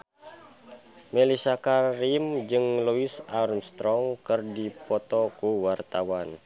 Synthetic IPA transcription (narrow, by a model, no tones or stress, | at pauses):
mɛlisakaɾimd͡ʒɨŋluisarmst̪ɾɔŋkɨrdipɔt̪ɔkuwart̪awan